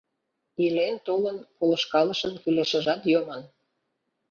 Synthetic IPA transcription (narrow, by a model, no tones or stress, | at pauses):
ilent̪olənpolɤ̆ʃkɑlə̆ʃə̆nkyleʃə̆ʒɑt̪jomən